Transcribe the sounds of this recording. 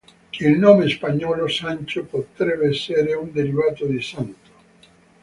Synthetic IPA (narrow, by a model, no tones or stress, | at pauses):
ilnomespaɲɔlosant͡ʃopot̪ɾeβeseɾeund̪eɾiβat̪od̪isant̪o̥